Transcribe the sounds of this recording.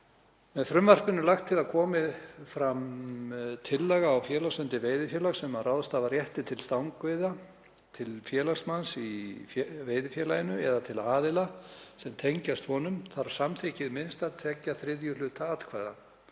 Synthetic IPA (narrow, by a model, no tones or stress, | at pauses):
mɛðfɾʏmvar̥pɪnʏmlaxt̪ʰːɪlaðkʰɔːmɪfɾam | t̪ʰɪlːɛɣaːwfjɛːlasʏnt̪ɪveːjðɪfjɛːlasɛmaɾrawðst̪aːvaɾjɛht̪ɪt̪ʰɪlst̪awŋkvejða | t̪ʰɪlfjɛːlast̪mansi | veːjðɪfjɛːlajɪnʏɛðat̪ʰɪlaːðɪlasɛmt̪ʰejɲcast̪hɔnʏmθaɾsamθʰɪcɪðmɪnst̪aðt̪ʰɛcːaθɾɪðjʏlʏt̪aat̪kʰvaːða̰n